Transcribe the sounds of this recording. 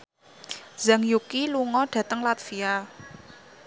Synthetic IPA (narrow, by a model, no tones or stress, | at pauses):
z̥a̤ŋjukiluŋɔɖ̥ä̤t̪əŋlat̪fia